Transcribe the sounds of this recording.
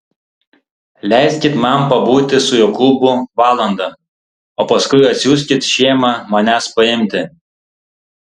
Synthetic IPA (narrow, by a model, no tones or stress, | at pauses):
lʲɛˑɪsʲkʲɪt̪mɐmpɐbuːt̪ʲɪsʊjoːklˠʊbʊʋɑːlˠɐnd̪ɐ | oːpɐskʊɪɐt̪ʲsʲjuːsʲkʲɪt̪ʃʲeːmɑmɐnʲæspɐɪmʲt̪ʲɪ